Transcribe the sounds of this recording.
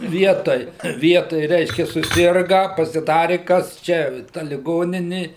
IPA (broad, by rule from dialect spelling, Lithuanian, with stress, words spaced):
ˈʋʲiɛtoːj ˈʋʲiɛtoːj ˈrʲɛɪʃʲkʲɛ sʊˈsʲɪrɡɐ pɐsʲɪˈdɑːrʲɪ ˈkɐs ˈt͡ʃʲɛ tɐ lʲɪˈɡoːnʲɪnʲɪ